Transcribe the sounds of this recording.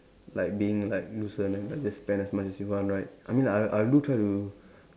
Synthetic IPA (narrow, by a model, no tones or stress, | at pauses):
laɪk̚biɪ̃ŋlaɪk̚lusə̃nãnlak̚d͡ʒasːpɛ̃ndɛsmat͡ʃɛsjufãnɹaɪt̚ʔajmĩnlaaʔadutʰɹaɪtu